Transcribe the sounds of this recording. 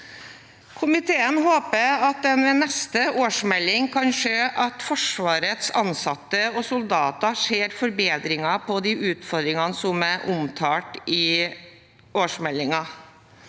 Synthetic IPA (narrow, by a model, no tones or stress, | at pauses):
kʰʊmɪt̪ʰeːənɦoːpəɑt̪̚d̪ɛnʋɛnɛst̪əʔoːʂmɛlːɪŋkʰɑnʂeːʔɑt̪fɔʂʋɑːɾət̪sɑnsɑt̪ːəɔsʊld̪ɑːt̪ɑʂeːɾfɔɾbeːd̪ɾɪŋɑpʰɔd̪iːʔʉːt̪fɔɾd̪ɾɪŋɑnəsɔmæʔʊmt̪ʰɑːʈɪ | oːʂmɛlːɪŋɑ